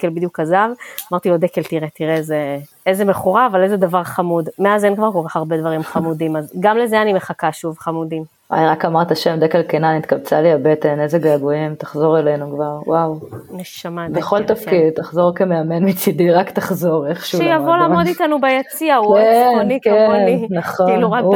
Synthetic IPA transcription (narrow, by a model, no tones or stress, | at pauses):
kelbid̪jukazavamaʁt̪iod̪ekeltiʁet̪iʁeeze | ezemeχuʁaːvalezed̪avaʁχamudmeazenkvaʁkoʁeχaʁbedvaʁimχamudimazɡamlezeanime̞χakaʃuvχamudim | a̰jʁakamaʁt̪aʃe̞md̪ekelkenanit̪kabt͡saliabet̪enezeɡaaɡuimt̪ḁχzo̞ʁelenukvaʁwawneʃamabeχo̞lt̪afkkid̪̚t̪aχzoʁkemeamenmit͡sid̪iʁakt̪aχzoʁeχʃuʃjavolaːmmo̞ditanubajat͡siaukonikeeoninaχoiluʁak